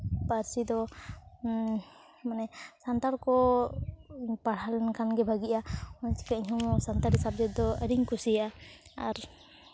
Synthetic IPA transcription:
paɾsid̪ɔ | manɛsant̪aɾkɔ | paɽ̤alɛnkʰanɡɛbʱaɡiʔaɔnt͡ʃi̥kaiɲɦɔmɔsant̪aɾisab̚d͡ʒɔd̪ɔəɾiɲkusijaaaɾ

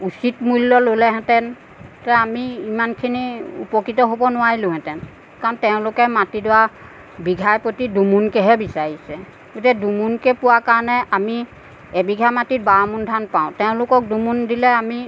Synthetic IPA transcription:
usitmulːɔlolɛɦɛ̃tɛn | tɛamiimankʰiniṵpɔkitɔɦobɔnʊwaɹilʊ̃ɦɛ̃tɛn | kaɹɔntɛʊ̃lʊkɛmatidʊwa | biɡʱajpotidumunkɛɦɛbisaɹisɛ | ɡ̥otikɛdumunkɛpuwakaɹɔnɛami | ɛbiɡʱamatit̚baamundʱanpãʊ̃tɛʊ̃lʊkɔk̚dumundilɛami

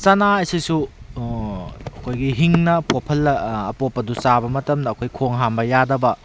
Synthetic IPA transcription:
sanaɐjsisu | ɐkʰojɡiɦiŋnɐpopʰɐlːɐːpopːɐdusabɐmɐtɐmdɐːkʰojkʰoŋɦambɐjadɐbɐ

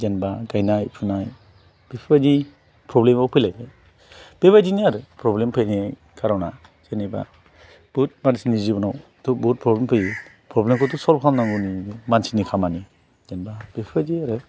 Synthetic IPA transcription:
d͡ʒɛnbaɡajnajpʰɯnaj | b̥epʰibad͡ʒi | pʰɾɔblemawpʰɯjlajbʰɯj | b̥ebajd͡ʒiniaɾɯpʰɾɔblempʰɯjniaj | kʰaɾawna | z̥eniba̰ | b̥ut̚mansinizibɔnaw | tubut̚pʰɾɔblempʰɯjɯ | pʰɾɔblemkʰɔtusɔlb̚kʰamnaŋɡɔniimansinikʰamani | d͡ʒɛnbab̥epʰibad͡ʒiaɾɯ

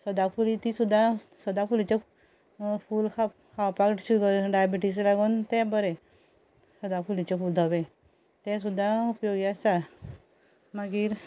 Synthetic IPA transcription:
səd̪afulit̪isud̪ʱːasəd̪afulit͡ɕe | fuːlkʰa | kʰawpakʈɕuɾukəɾɖajabiʈis̬laɡuːnt̪ɛ̃bəɾe | səd̪afulit͡ɕefuːld̪ʱəʋẽ | t̪ɛ̃s̬ud̪ʱːaupjoɡiasa | maɡiːɾ

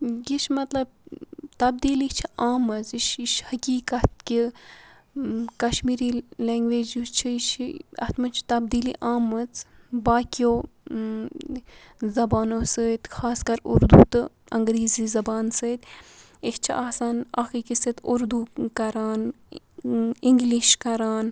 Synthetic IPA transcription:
jiʃmɐt̪lɐb̚t̪ɐb̚d̪iːlit͡ʃʰiaːmɐziʃiʃhɐkiːkɐt̪̚ki | kɐʃmiːɾiːleːŋɡʋeːd͡ʒut͡ʃʰiʃɐ̰t̪mɨt͡ʃʰt̪ɐbd̪iːliʔaːmɐt͡sbaːkijoː | zɐbaːnoːsəːt̪xʰaːskɐɾṵɾd̪uːt̪ɨ | ɐŋɡɾeːziːzɐbaːnsɨːt̪ | ikt͡ʃʰiʔaːsaːna̰xiːkisit̪uɾd̪uːkɐɾaːn | iŋɡliʃkɐɾaːn

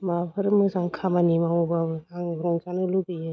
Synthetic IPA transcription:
mapʰɯɾɯmɯsaŋkʰamanimaubabɯaŋɾɔŋsanɯludɯjɯ

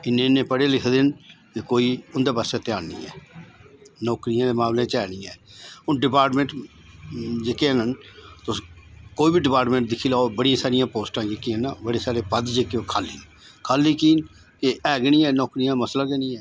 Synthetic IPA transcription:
ɪnẽnẽːpəɽeːlɪkʰd̪ɪnkekoːiːʊnd̪aːbəsɛːt̪ɪaːnnḭːɛ̰ː | nɔːkɾɪjãːd̪eːmaːmlẽːt͡ʃɛːɽiːɛːʊnɖɪpaːɾʈmẽːʈ | d͡ʒekeãnənt̪ʊskoːiːbiɖɪpaːɾʈmẽːɳʈ̚d̪ɪkʰiːlaːobəɽijãːsaːɾɪjãːpoːsʈãːd͡ʒɪkiːãnaːbəɽeːsaːɾeːpəd̪d͡ʒeːkeoːkʰaːlḭːn | kʰaːliːkiːn | kɪʔɛːɡɛnĩːɛːnɔːkɾɪjãːməslaːɡɛnĩːɛː

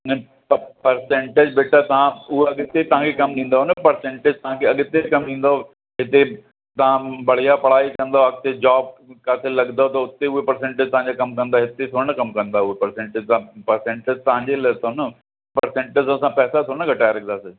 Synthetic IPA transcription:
n | pɐɾsẽːɳʈed͡ʑbeːʈat̪aãʊɦeɐɠɪt̪et̪ɐɦãkʰekɐmɗĩːn̆d̪aɦʊnəpɐɾsẽːɳʈeːd͡ʑt̪ɐɦãkʰeɐɠɪt̪ed͡ʑkɐmɗĩːnd̪ao | ɦɪt̪e | t̪ɐãbɐɽ̤ijapɐɽ̤aːikɐ̃nd̪aɐɡt̪ed͡ʑaːb̚kaːselɐɡnd̪aɦot̪̬ɐʊt̪eʊɦepɐɾsẽːɳʈeːd͡ʑt̪ɐɦãɲd͡ʑakɐmkɐ̃nd̪aɦɪt̪et̪ʰoːɽ̃əkɐmkɐ̃nd̪aːʊɦepɐɾsẽːɳʈeːd͡ʑt̪pɐɾsẽːɳʈed͡ʑt̪ɐɦãɲd͡ʑelɐt̪ʰonə | pɐɾsẽːɳʈed͡ʑsosãpɛːsat̪ʰoːñəɡɐʈaːjlɐɡd̪aːsɪ

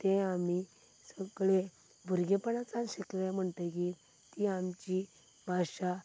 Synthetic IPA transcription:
t̪ẽami | səɡɭe | bʱuɾɡepəɳat͡sanɕiklm̤əɳt̪əki | t̪iamt͡ɕi | bʱaɕa

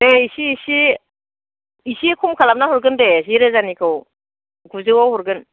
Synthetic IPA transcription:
eisiːsi | isikʰumkʰalap̚naɦɔɾɡɯndeziɾɯzanikʰɯw | ɡuzɯwawɦɔɾɡɯn

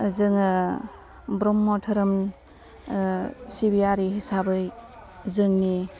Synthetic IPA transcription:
zɯŋɯ | bɾɔmːɔtʰɯɾɯm | sibijaɾiɦisabɯj | zɯŋni

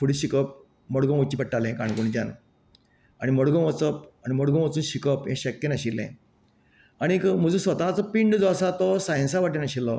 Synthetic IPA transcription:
fʰuɽiɕikəp̚ | mɔɽɡɔ̃ot͡ɕiːpəʈːalẽkãɳɡuɳ̃d͡ʑan | aɽ̃imɔɽɡɔ̃ʋət͡səp̚aɽ̃imɔɽɡõʋət͡suːnɕikəpɦẽɕəkːenəɕilːɛ̰̃ | aɽ̃ikm̤əd͡zũsʋət̪at͡sɔpiɳɖd͡zɔsat̪ɔsaj̃nsaʋaʈ̬inəɕilːɔ

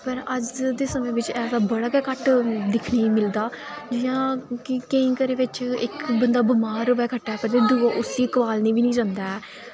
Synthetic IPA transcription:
pəɾəd͡ʒd̪eːsəmẽːʋɪt͡ʃɛːsd̪aːbəɽaːkɛːkəʈd̪ɪkʰniːmɪld̪aːd͡ʒɪjãːkɪkə̃ĩːkəɾeːʋɪt͡ʃɪkbənd̪aːbʊmaːɾʋɛːkʰəʈːaːɛːpəɾt̪eːd̪uaʔʊsiːkʋaːlniːbiːnĩːd͡ʒãːnd̪aːɛː

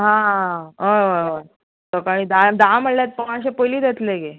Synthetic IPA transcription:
ɦãɦəʋəʋə | t̪əkaɽ̃iːd̪ad̪am̤əɽljat̪̚pəaɕepojliːd̪et̪leɡe

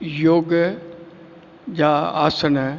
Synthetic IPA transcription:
joːɡ | d͡ʑaːa̰ːsən

